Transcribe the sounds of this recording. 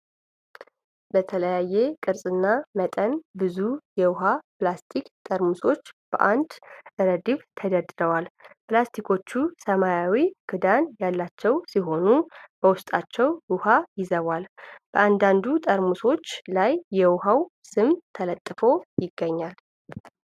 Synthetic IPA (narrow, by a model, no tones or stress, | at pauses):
bət̪ʰələjajːekʼɨɾsʼɨnːamət̪ʼənbɨzujɛwʊɦaplast̪ʰikt̪ʼəɾmuso̞t͡ʃːb̥ə̰ʔand̪ʔɨɾəd̪iβt̪ʰəd̪əd̪ɨɾəwalplast̪ʰikʰo̞t͡ʃːusəmajawiɡ̥ʰɨd̪anjalːat͡ʃːɛwsiɦo̞nubəwʊst̪ʼat͡ʃːɛwʊhajɪzəβalb̥əʔand̪and̪ut̪ʼəɾmuso̞t͡ʃːlajːɛwʊɦawsɨmt̪ʰələt̪ʼːɨfo̞jɪɡːəɲːal